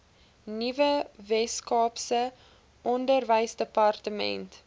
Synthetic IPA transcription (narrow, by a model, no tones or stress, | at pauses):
nivəvɛskɑːpsə | ʔɔndərvəjsdəpɐrtəmɛ̰nt